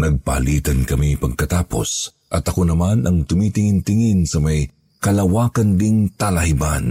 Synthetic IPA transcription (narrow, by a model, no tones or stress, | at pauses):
nɐɡ̚pɐ̰ɐliːt̪ɐnkɐmipɐɡ̚kɐt̪aːpo̞̰s | ʔɐt̪ɐko̞nɐmanʔɐŋt̪ʊmit̪ɪŋɪnt̪ɪŋɪnsɐmɐj | kɐlɐwaːkɐnd̪ɪŋt̪ɐlɐhɪban